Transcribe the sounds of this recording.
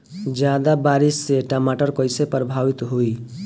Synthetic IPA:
d͡ʒjad̪abaɾisːeʈamaʈəɾkɔɪsepɾəbʱaʋit̪ɦui

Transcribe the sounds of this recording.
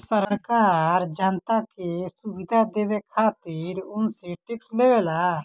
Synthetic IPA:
səɾkaɾd͡ʒant̪akesubid̪ʱad̪ebekʰaːt̪iɾʊnseʈikslebela

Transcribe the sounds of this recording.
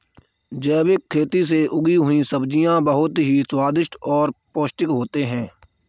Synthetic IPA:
d͡ʒɛːbɪkʰːeːt̪is̬eʔʊɡiɦʊĩsəbd͡ʒijãbəɦʊt̪ɦiswaːd̪ɪʃʈɔːɾpoːsʈɪkɦoːt̪eɦɛ̃ː

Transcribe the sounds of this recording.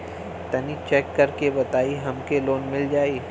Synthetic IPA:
t̪ɐnit͡ʃɛːkːɐɾkebɐt̪aːiɦɐmkeloːnmɪld͡ʒaːiː

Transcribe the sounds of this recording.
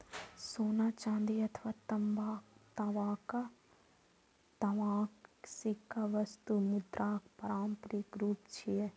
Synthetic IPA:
soːnaːt͡ʃãːnd̪iɐt̪ʰʋaːt̪ɐmbaːt̪ɐʋaːka | t̪ɐʋaːksikaʋɐst̪umud̪ɾaːkpɐɾaːmpɾikɾuːpt͡ʃʰie

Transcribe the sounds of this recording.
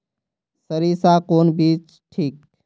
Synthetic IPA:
səɾiːsaːkoːnbiːt͡ʃ | ʈʰiːk̚

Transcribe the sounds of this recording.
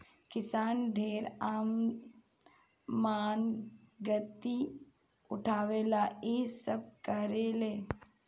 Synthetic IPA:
kɪsaːnɖʱeːɾaːm | maːnɡət̪i | ʊʈʰaːʋeːlaːeːsəb̚kəɾeːleː

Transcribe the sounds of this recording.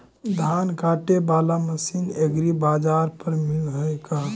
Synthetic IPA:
d̪ʱankaʈebalaməsineɡɾibad͡ʒaɾpəɾmilɦəjka

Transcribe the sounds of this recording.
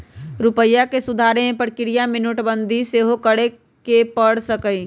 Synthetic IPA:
ɾʊpəjːakesʊd̪ʱaːɾeɦẽpəɾkɪɾijamɪnʊʈbə̃nd̪ʱiseɦokəɽe | kepəɽ̤səkəi

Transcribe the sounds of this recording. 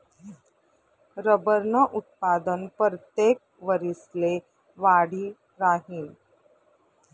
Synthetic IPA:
ɾəbəɾnəʔut̪̚pad̪ənpɾət̪jek̚ | ʋəɾisle | ʋaɽ̤iː | ɾaɦiːn

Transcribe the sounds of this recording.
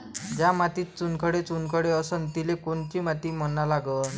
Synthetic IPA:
d͡ʑjamat̪iːt̪t͡sunkʰəɽet͡sunkəɽeəsənt̪ilekoɳt͡ɕiːmat̪iːm̤ənːalaɡəːn

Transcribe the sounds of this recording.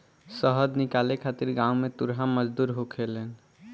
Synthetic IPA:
səɦəd̪nɪkalekʰat̪iɾɡãumẽt̪uɾɦaməd͡ʒd̪uːɾɦokʰeleːn

